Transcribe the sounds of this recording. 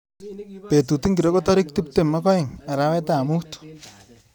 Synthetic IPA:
pe˨tu˨ti˦ŋki˨ɾo˦ko˦tɔ˦ɾɪ˦k̚ti˦p̚te˨mːa˦kɔ˦ɪ˨ŋa˨ɾa˦wɛ˦ta˦˨mu˦t

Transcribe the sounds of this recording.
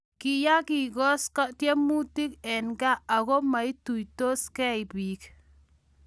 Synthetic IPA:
ki˨ja˦ki˨kɔ˦ska˦tje˦mu˦ti˦kɛ˨nɡa˦a˨ɣo˦ma˨i˦tu˨jto˦skɛ˦jpi˨k

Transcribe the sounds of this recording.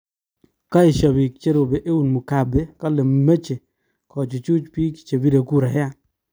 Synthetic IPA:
ka˦i˨ʃɔ˨bi˨kt͡ʃe˦ɾo˨be˨ʔe˦wu˨nmu˨ka˨be˦ka˦le˨m˨me˦t͡ʃe˨ | kɔ˨t͡ʃu˨t͡ʃu˦t͡ʃpi˦kt͡ʃe˨bi˦de˨ku˦ɾa˨ja˦

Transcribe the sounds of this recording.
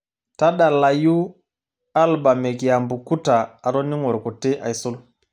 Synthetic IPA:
ta˦ɗa˨la˨ju˦ | a˦lba˨me˨kja˨mbu˨ku˦taː˨ɾo˦ni˦ŋɔ˨ɾkɔ˨te˦ʔa̰˨jsu˦l

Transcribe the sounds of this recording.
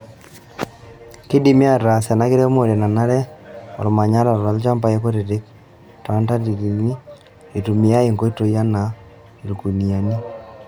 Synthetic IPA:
ki˦di˦mɪ˦a˦˨ɾa˨sa˨na˨˦kɪ˦ɾɛ˦mo˨ɾe˨na˨na˦ɾɛ˦ɔ̰˨lma˨ɲa˦ɾa˨ɾa˨˦lt͡ʃa˦mpa˦je˦ko˦ɾe˨ɾɪ˦k̚ | ta˨a˦nta˦di˨ɾi˨ni˦ | e˨tu˨mɪ˦a˦e˨ŋɡo˦i˦to˨ja˦na˨ | lu˨ku˨ni˨a˨ni˦

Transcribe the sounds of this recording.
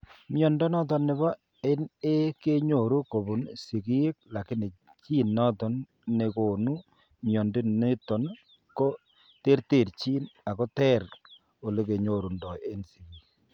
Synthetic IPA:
mjɔ˨ndɔ˦nɔ˦tɔ˨nːɪ˨ba˦ | e˦ne˦ke˦ɲo˨ɾu˦ko˨bu˨nsi˨ki˦k̚la˨kɪ˦nɪ˨ | t͡ʃiː˦nːɔ˦tɔ˨n | ne˨ko˨nu˦ | mjɔ˨ndi˦ne˦tɔ˨n | ko˦ | te˦ɾte˨ɾt͡ʃiː˦na˨ko˦tɛ˦ɾ | o˨le˦ke˨ɲo˦˨ɾu˨ndɔ˨je˦nsi˨ɡi˨

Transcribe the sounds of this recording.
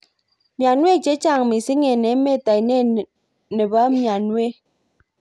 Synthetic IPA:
mja˨nwe˦˨t͡ʃe˨˦t͡ʃa˨ŋmi˨si˦ŋe˨ne˨˦me˦˨ta˨jne˦˨ | ne˨ba˦mja˨nwe˦˨

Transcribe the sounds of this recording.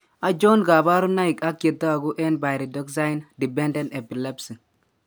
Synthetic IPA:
a˨d͡ʒo˦nɡa˨ba˦ɾu˦na˦ɪ˨ka˦kje˨t̪ːa˦a˨ɡʊ˦ʔɛ˦nba˨jɾi˨dɔ˦kza˦ɪ˦ndi˨bɛ˦ndɛ˦ne˨pi˨lɛ˦psi˨ŋ

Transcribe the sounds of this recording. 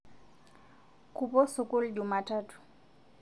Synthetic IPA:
kʰʼu˨pɔ˦sʊ˨kʼʊ˦ld͡ʒu˨matʰaːtʰu̥˨

